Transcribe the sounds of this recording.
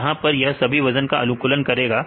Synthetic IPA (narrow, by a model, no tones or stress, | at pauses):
ɦãpɐɾjɐɦsɐbʱiʋɐzənkaɐlũkʊlənkɐɾeːɡaː